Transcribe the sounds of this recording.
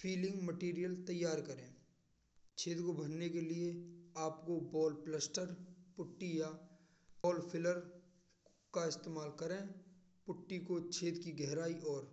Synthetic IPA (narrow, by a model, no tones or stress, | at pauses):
fʰiːlɪ̃ŋɡməʈiːɾijəlt̪ɐjːaːɾkɐɾẽː | t͡ʃʰeːd̪kobʱɐnnekelieaːpkobɔːlpləsʈəɾpʊʈːija | ɔːlpʰɪləɾ | kaɪst̪eːmaːlkɐɾẽː | pʊʈːikot͡ʃʰeːd̪kiɡɛɦɾaːiʔɔːɾ